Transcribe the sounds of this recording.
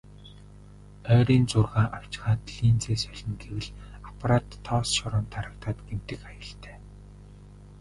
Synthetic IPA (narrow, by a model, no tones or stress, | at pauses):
œːɾiːnt͡sʊrʁaːʔaw̥t͡ɕ̆χaːt̪ɮiːnt͡seːsœɮʲɞ̆ŋɡewɘ̆ɮapʰaɾaːt̪ʰːɔːsʃɔɾʊːnt̪ʰaɾə̆kt̪aːt̪ɡem̥t̪ɘ̆kajə̆ɬt̪ʰæ̥ː